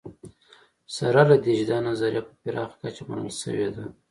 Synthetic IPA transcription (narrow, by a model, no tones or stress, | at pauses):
saɾalad̪iʒd̪ɑnazaɾjapəpiɾʔɑ̰ːxkat͡ʃamanə̰lʃə̰wed̪a